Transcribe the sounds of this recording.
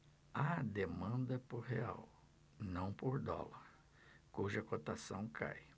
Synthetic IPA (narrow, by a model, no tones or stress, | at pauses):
ad̪emɐ̃nd̪ɐpoɾɦea̰w | nɐ̃w̃poɾd̪ɔ̰lɐɾ | kuʒɐkot̪asɐ̃w̃kʰa̰j